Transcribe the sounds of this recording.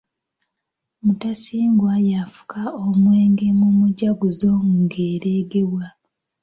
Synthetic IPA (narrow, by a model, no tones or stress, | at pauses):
mutasiːŋɡwajafu̥kʰaomweːŋɡe̞mumuɟaɡuzo̞ŋɡeːɾeːɡe̞wwa